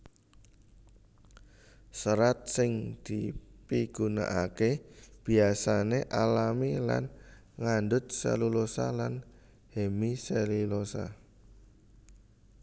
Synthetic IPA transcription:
səɾat̪̚sɪŋd̪̥i̤piɡ̥una̰ʔakeb̥i̤asaneʔalamila̰n | ŋand̪ʊt̪̚sə̰lulosa̰lan | hemiselilosa̰

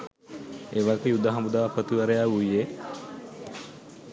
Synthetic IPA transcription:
eʋakejud̪ːaɦamud̪aːʋpət̪iʋaɾejaːuje

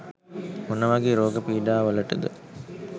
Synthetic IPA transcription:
unəʋɐɡeːɾoːɡəpiːɖaːʋɐləʈəd̪ə̰

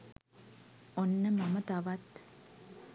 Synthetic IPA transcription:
onːəmɐmət̪ɐʋɐt̪

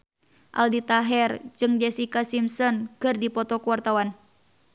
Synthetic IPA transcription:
ʔa̰ldit̪aɦɛrd͡ʒɨŋd͡ʒɛsikasimsɔnkɨrdipɔt̪ɔkuwart̪awan

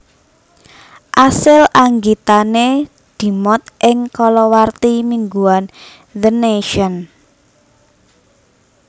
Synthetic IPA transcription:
ʔasɪlaŋɡit̪ane | d̪̥i̤mɔt̪̚ʔɪŋkɔlɔwart̪imiŋɡuan | ðəneʃɔn

